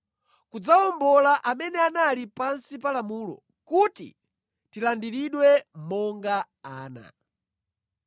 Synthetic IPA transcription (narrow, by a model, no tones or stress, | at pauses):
kud͡zaɔmbɔlaʔamɛnɛanalipansipalamuːlɔ̰ | kutḭ | tilandiɾiɗwɛmɔŋɡa | aːna̰